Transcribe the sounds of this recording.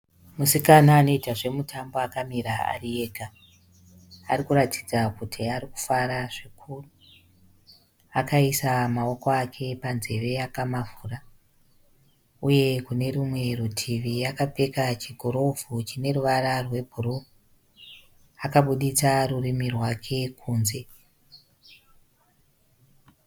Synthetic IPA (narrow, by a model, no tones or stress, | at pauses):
musikanaːno̞itaʐe̞mutʰambo̞akamiɾaa̰rie̞ːka | arikuɾati̥d͡zakutʰiaɾiku̥faɾaʐikʰuːru | akaisamao̞ko̞akʰe̞panze̞ʋe̞akamavuːra | uje̞kune̞rimwe̞rutʰiʋijakape̞kat͡ʃiɡʱoɾo̞vʱut͡ʃine̞ruʋararwe̞bʱuɾo | akaɓuɗit͡sarurimirwakʰe̞kʰuːnze̞